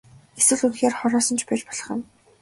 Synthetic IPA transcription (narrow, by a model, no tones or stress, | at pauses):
eswɘ̆ɮunxeːrχɔɾɔːsɞ̆nt͡ɕʰpæt͡ɕpɔɮɞ̥̆χə̆n